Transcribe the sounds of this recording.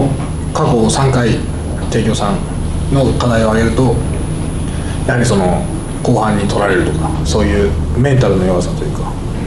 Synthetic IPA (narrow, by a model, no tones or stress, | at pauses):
kako̞sãŋkai | t̪e̞ːkʲo̞ːsãn | no̞kad̪aio̞aɡe̞ɾɯ̟t̪o̞ | jahaɾʲiso̞no̞ | ko̞ːhãɲ̟ːit̪ʰo̞ɾaɾe̞ɾɯ̟t̪o̞kḁ | so̞ːjɯ̟ː | mẽ̞nt̪aɾɯ̟no̞joːsãnt̪o̞jɯ̟kḁ